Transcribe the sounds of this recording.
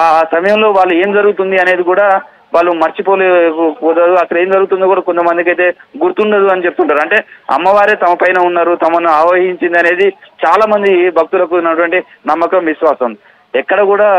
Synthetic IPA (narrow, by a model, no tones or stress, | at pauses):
asɐmɐjɐmlo̞ːʋaːɭːue̞ːmd͡ʒɐɾuɡut̪und̪iɐne̞ːd̪ikuːɽaː | ʋaːɭːumɐɾt͡ʃipoːlepuːd̪ɐd̪uɐsɐleːmd͡ʒɐɾuɡut̪̬und̪ikuːɽaːkont̪ɐmɐnd̪ikɐjt̪e̞ːɡuɾt̪uɳɖɐd̪uɐnit͡ʃep̚t̪uɳʈaːɾuɐɳʈe̞ːɐ̰mːɐʋaːɾeːt̪ɐmɐpɐjnɐunːaːɾut̪ɐmɐnuaːʋɐɦiɲt͡ʃind̪iɐne̞ːd̪it͡ʃaːlaːmɐnd̪ibʱɐk̚t̪ulɐkunːɐʈuʋɐɳʈi | nɐmːɐkɐmʋisʋaːsɐm | ɛkːɐɽɐkuːɽaː